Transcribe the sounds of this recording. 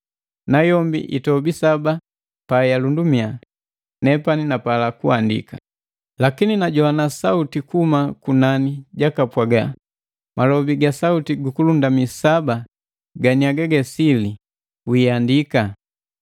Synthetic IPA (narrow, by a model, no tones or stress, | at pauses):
najɔmbḭʔḭtɔbisaba | pajalundumia | nɛpaninapalakuandḭka̰ | lakininaɟɔanasautikumakunaniɟakapwaɡa | malɔbiɡasautiɡukulundamisaba | ɡaɲiaɡaɡɛsili | wiandika